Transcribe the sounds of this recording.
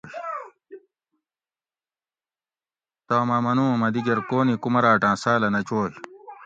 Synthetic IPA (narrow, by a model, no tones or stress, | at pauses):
t̪aːmɐmɐnũːɐmɐd̪iɡɐɾkoːnikumɐɾaːʈãːsaːlɐnɐt͡ɕoːɕ